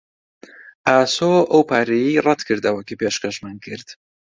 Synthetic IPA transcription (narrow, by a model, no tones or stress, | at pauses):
ʔaːsoʔɐwpʰaːɾejirɛd̪kʰɨɾd̪ɐwɐkipeːʃkɐʃmaːnkʰɨɾd̪̥